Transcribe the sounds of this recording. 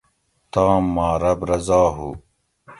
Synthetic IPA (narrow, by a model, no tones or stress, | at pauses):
t̪ãːmːaːɾɐbɾɐzaːɦṵː